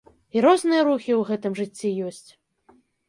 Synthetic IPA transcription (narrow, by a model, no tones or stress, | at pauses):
iɾɔznɨjɐɾuxʲiwɣɛt̪ɨmʐɨt͡sʲːijɔsʲt͡sʲ